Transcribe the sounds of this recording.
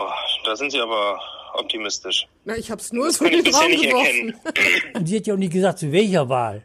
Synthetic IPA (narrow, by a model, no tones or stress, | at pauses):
ad̥aːzɪntz̥iːʔaːbɐʔɔ̰p̚tʰimɪstɪʃ | naɪçhaːbsnuːɐzoːibɪshaːnɪɡəvɔɛnn̩nʊnz̥iːhatjaʊxnɪçtɡəzaːk̚tt͡suvɛlçɐva̰ːl